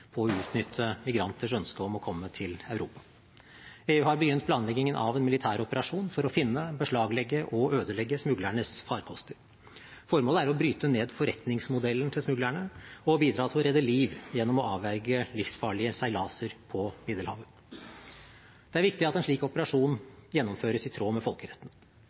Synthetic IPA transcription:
pʰɔɔʉːt̪nʏt̪ʰːəmɪɡɾɑnt̪ʰəʂœnskəɔmɔkʰɔmːət̪ʰɪlœʉɾuːpɑ̥ | eːʉːhɑɾbəjʏnt̪̚pʰlɑːnlɛɡɪŋənʔɑ̰ʋɛnmɪlɪt̪ʰæːɾɔpəɾɑʂuːnfɔɾɔfɪnːəbəʂɭɑːɡlɛɡːəʔɔøːd̪əlɛɡːəsmʉɡlæɳəsfɑːɾkʰɔst̪əɾ | fɔɾmoːləæɾɔbɾyːt̪əneːd̪fɔɾɛt̪nɪŋsmʊd̪ɛlːən̩t̪ʰɪlsmʉɡlæɳəɔbiːd̪ɾɑːt̪ʰɪlɔɾɛd̪ːəliːʋjɛnːɔmɔɑːʋæɾɡəlɪfsfɑːɭɪəsæɪlɑːsəɾpʰɔmɪd̪əlhɑ̰ːʋə | d̪̥ɛæɾʋɪkt̪ɪɑt̪ɛnʂɭiːkɔpəɾɑʂuːnjɛnːɔmføːɾəsɪt̪ʰɾoːmɛfɔlkəɾɛt̪ːn

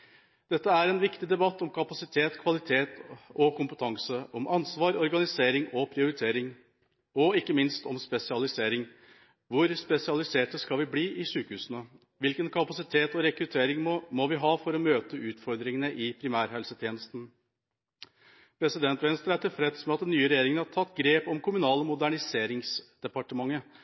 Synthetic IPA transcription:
d̪̥ɛt̪ːəæɾɛnʋɪkt̪ɪd̪ɛbɑt̪ːɔmkʰɑpɑsɪt̪ʰeːt̪kʰʋɑlɪt̪ʰeːt̪ɔkʊmpət̪ʰɑŋsəʔɔmʔɑnsʋɑːɾɔɾɡɑnɪseːɾɪŋɔpʰɾɪʊɾɪt̪ʰeːɾɪŋ | ɔɪkːəmɪnst̪ɔmspɛsɪɑlɪseːɾɪŋ | ʋʊɾspɛsɪɑlɪseːʈəskɑlʋɪbliːʔɪʂʉːkəhʉːsənə | ʋɪlkənkʰɑpɑsɪt̪ʰeːt̪ɔɾɛkɾʉt̪ʰeːɾɪŋmɔʋɪɦɑːfɔɾɔmøːt̪əʉːt̪fɔɾd̪ɾɪŋənəʔɪpʰɾɪmæːɾɦɛlsət̪ʰjeːnəst̪n̩ | pʰɾɛsɪd̪ɛnt̪ʋɛnst̪ɾəæʈɪlfɾɛd̪smɛɑt̪̚d̪ɛnyːəɾɛjeːɾɪŋənhɑʈ̪ʰɑt̪ːɡɾeːpɔmkʰʊmʉnɑːləmʊd̪æɳɪseːɾɪŋsd̪̥ɛpɑʈəmɑŋːə

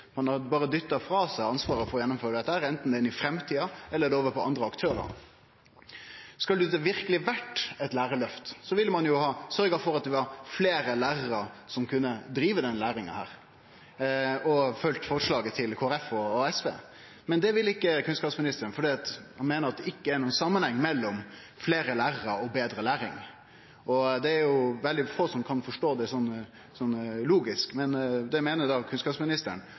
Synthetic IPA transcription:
mɑnɑd̪bɑːɾəd̪ʏt̪ːɑfɾɑːsæɪɑnsʋɑːɾəfɔɾjɛnːɔmføːɾəd̪ɛt̪ːəhæːɾɛnt̪n̩d̪ɛɪnɪfɾɛmt̪ʰiːɑɛlːəd̪ɛoːʋəpʰɔɑ̰nd̪ɾəɑkt̪ʰøːɾə̰ɾ | skɑld̪ʉd̪ɛʋɪɾkəlɪʋæʈːɛt̪læːɾəlœft̪sɔʋɪlːəmɑnjʊhɑːsœɾɡəfɔɾɑt̪̚d̪ɛʋɑɾfleːɾəlæːɾəɾəɾsɔmkʰʉnːəd̪ɾiːʋəd̪ɛnːəlæːɾɪŋə̰hæ̰ːɾ | ɔfœlt̪fɔɾʂɭɑːɡət̪ʰɪlkʰoːæɾɛfɔɛsʋḛː | mɛnd̪ɛʋɪlːɪkːəkʰʉnskɑːpsmɪnɪst̪əɾənfɔɖiːɑt̪hɑnmeːnəɾɑt̪̚d̪ɛɪkːəæɾnuːnsɑmːənhɛŋːmɛlːɔm | fleːɾəlæːɾəɾəɾɔbeːd̪ɾəlæːɾɪ̰ŋ | ʔɔd̪ɛæɾjʊʋɛld̪ɪfoːsɔmkʰɑnfɔʂʈoːd̪ɛsɔnː | sɔnːluːɡɪskmɛnd̪ɛmeːnəɾd̪ɑkʰʉnskɑːpsmɪnɪst̪əɾɳ

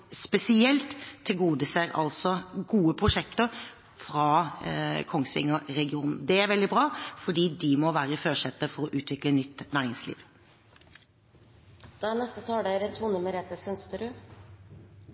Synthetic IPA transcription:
spɛsɪɛlt̪ʰːɪlɡuːd̪əsæɾʔɑ̰lsɔɡuːəpʰɾʊʂɛkt̪əɾ | fɾɑ | kʰɔŋsʋɪ̰ŋːəɾɛɡɪuːnn̩d̪ɛæɾʋɛld̪ɪbɾɑːfɔɖiːd̪ɪmɔʋæːɾəɪføːʂɛt̪ːəfɔɾɔʔʉːt̪ʰʋɪklənʏt̪ːnæːɾɪŋslḭːʋ | d̪̥ɑænɛst̪ət̪ʰɑːɖeːɾət̪ʰːuːnʉmːəɾɛt̪əsʏnst̪əɖʉ

